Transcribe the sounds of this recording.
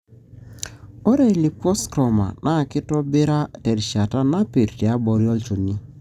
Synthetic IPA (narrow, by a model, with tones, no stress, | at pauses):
ɔ˦ɾe˦˨li˨pɔ˦skɾɔ˨ma̰˨nʔa˦˨kɪ˦tɔ˦bɪ˦ɾa˦tɛ˨ɾʃa˨ta˦na˦pe˨ɾti˨a˦bɔ˨ɾjɔ˦lt͡ʃo˨ni˦